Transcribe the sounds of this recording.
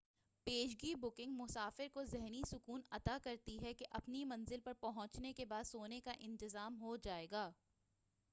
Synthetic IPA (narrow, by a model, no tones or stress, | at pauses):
peːʃ̬ɡiːbʊkɪ̃ŋɡmʊsaːfɪɾkozɛɦnisʊkuːnɐt̪akɐɾt̪iɦɛkeʔɐpnimɐ̃nzɪlpɐɾpɐɦʊ̃t͡ʃnekebaːd̪soːnekaʔɪ̃nt̪ɪzaːmɦod͡ʒaːeːɡaː